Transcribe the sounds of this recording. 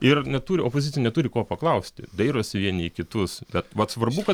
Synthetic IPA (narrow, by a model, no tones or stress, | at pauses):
ɪrnʲɛt̪uːɾʲɪopoːzʲɪt͡sʲjɛnʲɛt̪uːɾʲɪkoːpɐklˠɐʊsʲt̪ʲɪ̰d̪ɐɪɾosʲɪʋʲiɛnʲɪːkʲɪt̪ʊsbʲɛt̪ʋɐt̪sʋɐrbʊkɐ